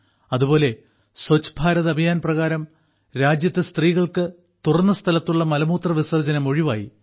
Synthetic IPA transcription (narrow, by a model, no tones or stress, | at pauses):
ɐðubo̞ːle | sɐt͡ɕːbʱaːɾɐðɐbʱɐjaːnprɐɣaːɾɐm | ɾaːd͡ʑjɐt̪ːɐst̪riːɣɐɭkɨ | t̪urɐnːɐst̪ʰɐlɐt̪ːuɭːɐmɐlɐmuːt̪rɐʋisɐrd͡ʑɐnɐmo̞ɻiʋa̰ːji